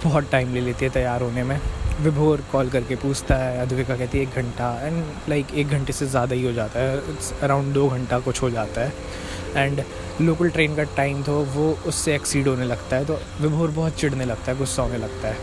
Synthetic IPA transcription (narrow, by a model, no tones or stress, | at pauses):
b̥ɔːɦt̪ʈaːɪmleleːt̪iɦɛt̪ɐjaːɾɦoːnemẽʋɪbʱoːɾkɔːlkɐɾkepuːt͡ʃt̪aɦɛɐd̪ʱʋɪkakɛɦt̪eɛ̃eːk̚ɡʱɐ̃ɳʈaɛ̃ːɳɖ | laɪkeːk̚ɡʱɐ̃ɳʈesezjaːd̪aɦiɦod͡ʒaːt̪aɦɛ | ɐɾãʊ̃ɳɖd̪oːɡʱɐ̃ɳʈakʊt͡ʃʰɦod͡ʒaːt̪aɦɛː | ɛ̃ːɳɖ | loːkəlʈɾeːnkaʈaːɪmt̪ʰoʋoːʊsːeɛksiːɖɦoːnelɐɡt̪aɦɛt̪o | ʋɪbʱoːɾbɔɦʊt̪t͡ʃɪɽ̤nelɐɡ̚t̪aɦɛɡʊsːaɦonelɐɡ̚t̪aɦɛː